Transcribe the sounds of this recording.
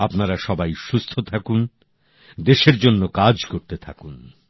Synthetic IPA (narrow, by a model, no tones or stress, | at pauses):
apnaɾaʃɔbajʃust̪ʰot̪ʰakun | d̪eʃeɾd͡ʑonːokad͡ʑkoɾt̪et̪ʰakun